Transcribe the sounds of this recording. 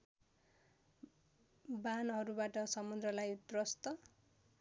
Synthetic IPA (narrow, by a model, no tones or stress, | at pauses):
banɦʌɾubaʈʌsʌmud̪rʌlajut̪rʌst̪ʌ